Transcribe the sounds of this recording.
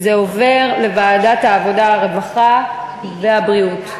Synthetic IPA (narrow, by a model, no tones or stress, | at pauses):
zeo̞ve̞ʁle̞vaːdathaːvo̞daaʁe̞vaχa | veabʁiut